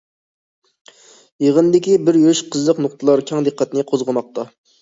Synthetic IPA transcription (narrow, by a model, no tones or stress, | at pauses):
jeʁənd̪ɪkʲibɪɾjøʃqʰəzlˠəqnʊqt̪ʰɨlˠɑɾkʲʰɑŋd̪əqːɛt̪nɨqʰozʁəmɑq̚t̪ɑ